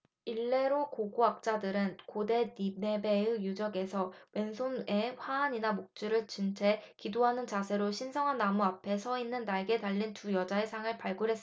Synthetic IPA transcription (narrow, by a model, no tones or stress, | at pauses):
iɭːe̞ɾokoɡoak̚t͡ɕ͈adɯɾɯnkode̞dine̞beɯjud͡ʑʌɡe̞sʰʌwe̞nsʰone̞ɸwaːɲinamok̚t͡ɕ͈uɾɯɭt͡ɕint͡ɕʰe̞kidoɦanɯnt͡ɕasʰe̞ɾoɕʰinsʰʌŋɦanːamuapʰe̞sʰʌinːɯnːaɭɡe̞taʎːintujʌd͡ʑaesʰaŋɯɭpaɭɡuɾɦes͈